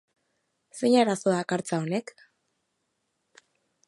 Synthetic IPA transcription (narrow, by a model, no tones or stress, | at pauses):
seɲaɾaso̞ðakaɾt͡saone̞k